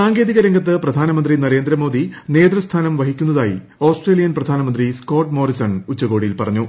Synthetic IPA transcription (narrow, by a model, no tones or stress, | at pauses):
saːŋɡe̞ːðiɣɐɾɐŋɡɐt̪̬ːɨprɐd̪ʱaːnɐmɐnd̪rinɐɾe̞ːnd̪ɾɐmo̞ːd̪ʱine̞ːd̪rɐst̪ʰaːnɐmʋɐɦikʲːunːɐðaːji | oːsʈreːlijɐnprɐd̪ʱaːnɐmɐnd̪risko̞ːʈmo̞ːrisɐɳut͡ɕːɐɣo̞ːɽijilpɐrɐɲːu